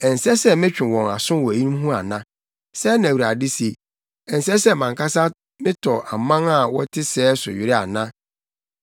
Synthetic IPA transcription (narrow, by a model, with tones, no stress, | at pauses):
ɛ˨n̩˨sɛ˦sɛ˦mɪ̃˦t͡ɕᶣɪ̃˨wɔ̃˨na˨sʊ̃˦wɔ˨æ˨i˦nũ˦m˦ɦũ˦a˨nã˦ | sɛ˦næ̃˨wu˨ɾa˨dɪ˦se˨ | ɛ˨n̩˨sɛ˦sɛ˦˨mã˨ŋkʰa˦sa˦ | mɪ̃˦tʰɔ˨a˨mã˦ŋa˨wɔ˦tʰɪ˦sɛː˦sʊ˨ɥɪ˨ɾɪ˦a̰˨nã˦